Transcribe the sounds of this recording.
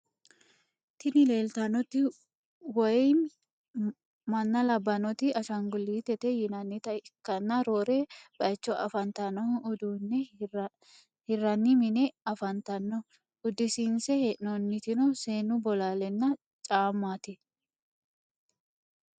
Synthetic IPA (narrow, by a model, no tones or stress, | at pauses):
t̪ɪnɪle̞ːlt̪ɐnɔt̪ɪ | wɔj | mɐnːɐlɐbːɐnɔt̪ɪɐʃɐŋɡʊlːiːt̪ɛt̪ɛjɪnɐnːɪt̪ɐɪkːɐnːɐɾoːɾeb̥ɐjt͡ʃːɔɐ̰fɐnt̪ɐnɔhʔʊd̪uːnːɛ | hɪrɐnːɪmɪnɛɐfɐnt̪ɐnːɔ | ʊd̪ɪsɪnsɛhʔnɔnːɪt̪ɪnɔse̞ːnʊbɔlaːlɛnːɐ | t͡ʃʼaːmːaːt̪ɪ